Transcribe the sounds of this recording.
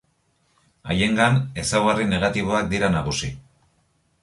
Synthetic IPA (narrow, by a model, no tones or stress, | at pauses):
a̰je̞ŋɡane̞sawɣarine̞ɣ̞at̪iβ̞o̞ak̚d̪iɾanaɣusi